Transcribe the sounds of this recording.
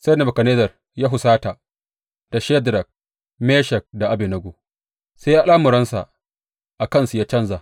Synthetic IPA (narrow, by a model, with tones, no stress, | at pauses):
se˦na˨bɐ˨kɐ˨neː˦zɐ˨r | jaː˦ɦʊ˨saː˦ta˨ | d̥a˨ʃɛ˦dɾɐ˨k̚ | meː˦ʃɛ˨k̚da˨ʔa˨bi˨nɐ˨ɡo˨ | se˦ja˦laː˦mʊ˨ɾɐ˦nsa̰˨ʔ | ʔa˨kɐ˦nsu˨jaː˦t͡ʃɐ˦nza˨